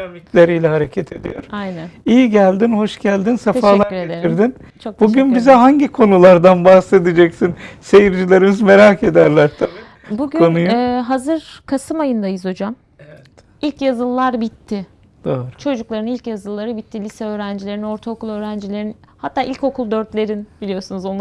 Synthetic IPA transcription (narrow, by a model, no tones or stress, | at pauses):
amit̪lʲeɾijlʲɛɦhaɾecʰɛt̪ʰe̞d̪ḭjo̰ɾ̥ajnænijiɟælʲd̪inho̞ʃɟælʲd̪insaefalˠaɾɾeeeiɾd̪in | t͡ʃʰok̪buɟynbizɛɦaɲɟikʰo̞nulˠaɾd̪anbahse̞d̪id͡ʒɛcsinse̞jiɾd͡ʒilʲe̞ɾimizme̞ɾake̞d̪æɾlʲæɾt̪ʰabi | buɟkyonujuɦazɯɾkʰasɯmajɯnd̪ajɯzho̞d͡ʒam | evɛt̪ | ilʲcjazɯlˠːaɾbit̪ʰːɪ | d̪̥oːɾt͡ʃʰo̞d͡ʒuklˠaɾɯnilʲcjazɯlˠːaɾɯbit̪ʰːilʲisɛø̞ːɾænd͡ʒilʲe̞ɾino̞ɾt̪ʰaokʰulˠø̞ːɾænd͡ʒilʲe̞ɾinhat̪ːaːilʲco̞kʰulˠd̪ø̞ɾt̪lʲe̞ɾinb̥ilʲijo̞ɾsunuzo̞nˠa